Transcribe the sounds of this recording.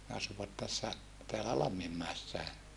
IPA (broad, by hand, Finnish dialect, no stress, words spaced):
ne ɑsuʋɑt tæsːæ teælæ lɑmːimːæesːæe